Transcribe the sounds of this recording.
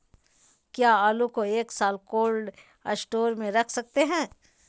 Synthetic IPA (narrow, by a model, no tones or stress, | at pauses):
kjaːaːlukoeːksaːlkoːlɖ | əsʈoːɾmẽɾɐkʰsɐk̚t̪eɦɛ̃ː